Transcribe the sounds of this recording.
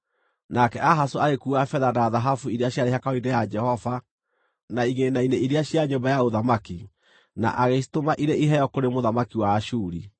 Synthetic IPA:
nakɛʔaɦasoaɣekuafɛðanaðaɦafuiɾeaɕjaɾeɦakaoidɛjad͡ʒɛhɔva | naiɣenaineiɾeaɕiaɲombajaoðamaki | na̰ʔaɣesi̥tomaʔiɾeiɦɛjɔkoɾemoðamakiwaaʃuːɾi

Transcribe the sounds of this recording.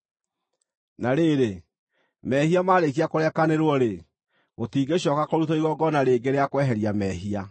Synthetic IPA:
naɾeːɾe | mɛhiamaːɾek̬iakoɾɛkaneɾwɔɾe | ɣotiːɡeɕɔːkakoɾutoiɣɔɡɔnaɾeːɡeɾeakwɛɦɛɾiamɛɦia

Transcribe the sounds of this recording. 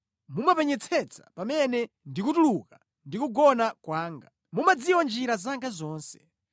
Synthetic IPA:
mumapɛɲɛt͡sʰɛt͡sʰḁ̰pamɛnɛ | ndikutuluka | ndikuɡɔnakwaːŋɡa | mumad͡ziwɔnd͡ʒiɾazaŋɡazɔːnsɛ̥

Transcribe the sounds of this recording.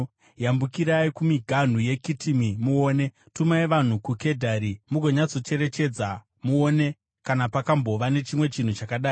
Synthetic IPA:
jambukiɾaikumiɡʱan̤uje̞kitʰimimuoːne̞ | tumaeʋan̤ukuke̞dʱaɾimuɡʱo̞ɲat͡so̞t͡ʃe̞ɾe̞t͡ʃe̞d͡za | muone̞ | kanapakambo̞ʋane̞t͡ʃimwe̞t͡ʃin̤ut͡ʃakaɗaːi

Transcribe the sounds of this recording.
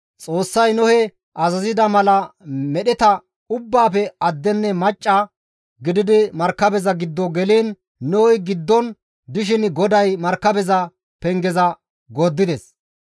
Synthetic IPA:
t͡sʼo̞ːsːɐjnʊhɛ | ʔɐzɐzɪd̪ɐmɐlɐmɛɗɛt̪ɐ | ʊbːaːpɛɐd̪ːɛnːɛmɐt͡ʃʼːɐ | ɡɪd̪ɪd̪ɪmɐɾkːɐbɛzɐɡɪd̪ːɔɡɛleːnː | ɔhɔjɡɪd̪ːɔn | d̪ɪʃ̬ɪnɡɔd̪ɐjmɐɾkːɐbɛzɐ | pɛŋɡɛzɐ | ɡoːd̪ːɪd̪ɛs

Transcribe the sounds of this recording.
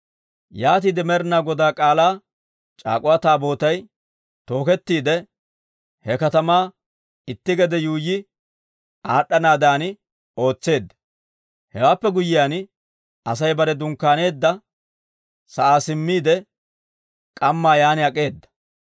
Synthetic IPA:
jaːt̪̬iːd̪ɛmɛɾɪnaːɡɔd̪aːkʼaːlaː | t͡ʃʼa̰ːkʼʊwaːt̪aːbo̞ːt̪ɐj | t̪o̞ːkɛt̪ːiːd̪ɛ | hɛkɐt̪ɐmaː | ɪt̪ːɪɡɛd̪ɛjuːjɪ | ʔaːɗːɐnaːd̪aːn | o̞ːt͡sːe̞ːd̪ːɐ | hɛwaːpːɛɡʊjɪjaːn | ɐs̬ɐjbɐɾɛd̪ʊŋkːaːne̞ːd̪ːɐ | sɐʔaːsɪmːiːd̪ɛ | kʼɐmːaːjaːnɪɐkʼe̞ːd̪ːɐ̥

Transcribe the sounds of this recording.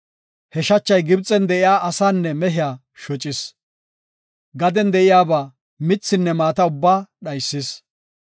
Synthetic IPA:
hɛʃɐt͡ʃːɐjɡɪbt͡sʼːɛnd̪ɛʔɪjaːʔɐsaːnːɛmɛɦɪjaː | ʃɔt͡ʃʼːɪs | ɡɐd̪ɛnd̪ɛʔɪjaːbaː | mɪt͡sːɪnːɛmaːt̪ɐʊbːaːɗɐjsːɪs

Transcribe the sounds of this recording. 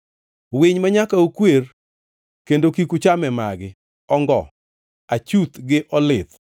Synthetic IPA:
wɪɲmaɲakaokwer | kendokikut͡ʃamɛma̰ɡɪ | ɔŋɡɔ̰ | at͡ʃut̪ɡɪʔɔlɪt̪

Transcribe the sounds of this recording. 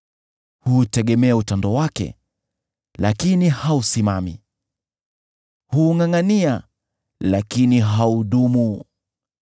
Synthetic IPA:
hutɛɠɛmɛautandɔwakɛ̰ | lakinihausimamḭ | huŋaŋania | lakiniɦauɗumu

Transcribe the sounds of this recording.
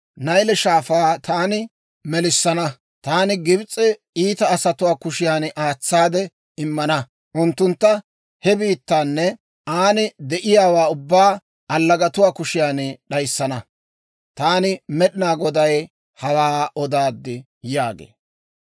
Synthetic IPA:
nɐjlɛʃaːfaːt̪aːnɪ | mɛlɪsːɐnɐ | t̪aːnɪɡɪbt͡sʼːɪ | iːt̪ɐːsɐt̪ʊwaːkʊʃɪjaːnʔaːt͡sːaːd̪ɛ | ɪmːɐnɐ | ʔʊnt̪ːʊnt̪ːɐ | hɛbiːt̪ːaːnːɛ | aːnɪd̪ɛʔɪjaːwaːʊbːaː | ɐlːɐɡɐt̪ʊwaːkʊʃɪjaːnɗɐjsːɐnɐ | t̪aːnɪmɛɗɪnaːɡɔd̪ɐj | hɐwaːʔɔd̪aːd̪ːɪ | jaːɡḛː

